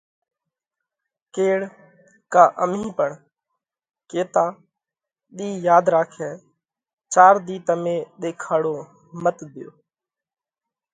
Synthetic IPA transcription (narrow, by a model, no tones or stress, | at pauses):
keːɽ | kaːʔəmĩːpəɳ | keːt̪aː | ɗiːjaːd̪ɾaːkʰɛː | t͡ʃaːɾd̪iːt̪əmẽːɗ̪eːkʰaːɽoː | mət̪d̪ɪjo̰ː